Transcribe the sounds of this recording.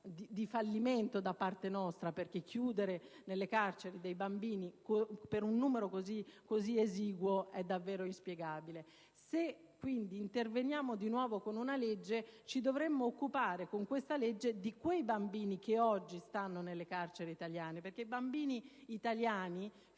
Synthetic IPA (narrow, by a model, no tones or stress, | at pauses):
d̪id̪ifalːiment̪od̪apːart̪enɔst̪ɾaperkekʰːjuːd̪eɾenelːekart͡ʃeɾid̪ejbambiːnikopeɾunːuːmeɾokozikːozieziːɡwoɛd̪ːavːɛːɾoinspjeɡaːbile | se | kːwind̪iːnt̪ervenjaːmod̪inwɔːvokonunaled͡ʒːet͡ʃid̪ovɾemːoːkːupaːɾekoŋkwest̪aled͡ʒːed̪ikwejbambiːnikeɔd͡ʒːist̪anːonelːekart͡ʃeɾeit̪aljaːneperkeibambiːniːt̪aljaːni